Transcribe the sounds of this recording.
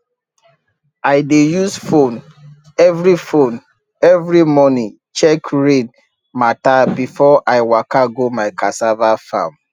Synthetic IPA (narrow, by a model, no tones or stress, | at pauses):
aɪdejusfon | ɛvɾifon | ɛvɹimɔnĩ | t͡ʃɛkɹẽn | matabifɔʔaɪwakaɡomaɪkasavafã̰m